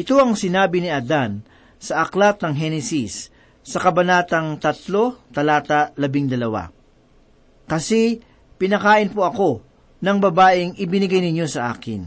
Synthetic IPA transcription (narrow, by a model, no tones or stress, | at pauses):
ʔɪt̪o̞ɐŋsɪnaːbɪnɪɐd̪an | sɐʔɐklat̪̚nɐŋɦɛnɛsisː | ɐkɐbɐnaːt̪ɐŋt̪ɐt̪lo̞t̪ɐlaːt̪ɐlɐbɪŋd̪ɐlɐwa̰ | kɐsɛ | pɪnɐkaːʔɪnpoɐko̞ | nɐŋbɐbaːʔɪŋʔɪbɪnɪɡajnɪɲjo̞sɐʔa̰ːkɪ̰n